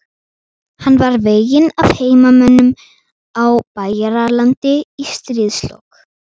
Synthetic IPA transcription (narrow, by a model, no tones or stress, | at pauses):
hanːvaɾveːjɪnav̥heːjmamœnːʏm | awpaːjaɾalant̪ɪist̪ɾiðslɔ̰k